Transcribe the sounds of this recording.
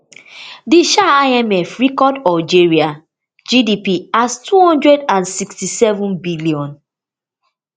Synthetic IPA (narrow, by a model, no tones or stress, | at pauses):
diʃaaɪɛmɛfɹikɔdɔld͡ʒeɹia | d͡ʒidipiastʰuhɔ̃ndɹɛdãnsikstisɛvũnbiliɔ̃n